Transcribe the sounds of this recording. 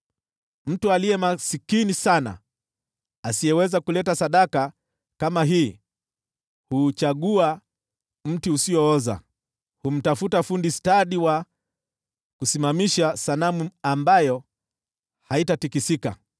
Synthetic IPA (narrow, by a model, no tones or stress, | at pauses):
m̩tualiɛmasikinisana̰ | asiɛwɛzakulɛtasaɗaka | kamaɦiː | hut͡ʃaɠua | m̩tiusiɔɔza̰ | hum̩tafutafundistaɗiwa | kusimamiʃasanamuambajɔ | haitatikisika̰